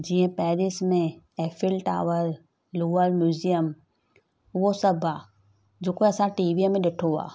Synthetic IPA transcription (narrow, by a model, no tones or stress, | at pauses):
d͡ʒiːə̃pɛːɾismẽ | ɛːfʰɪlʈa̰ːʋəɾ | luːəɾmjuːzijəm | ʋosɐbʱaː | d͡ʒoːkoɐsãʈiːʋimẽɗeʈʰoa̰ː